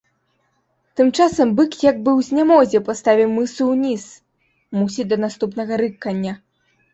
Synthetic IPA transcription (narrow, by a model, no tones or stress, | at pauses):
t̪ɨmt͡ʂasɐmbɨkjaɡ̚bɨwzʲnʲamɔzʲɛpast̪avʲiwmɨsɨwnʲis | musʲid̪ɐnast̪upnɐɣɐɾɨkːɐnʲːɐ